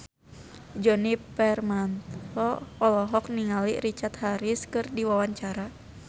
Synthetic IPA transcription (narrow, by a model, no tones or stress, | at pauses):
d͡ʒɔnipɛrmant̪ɔɔlɔɦɔk̚niŋalḭɾit͡ʃat̪haɾiskɨrdiwawaɲt͡ʃaɾa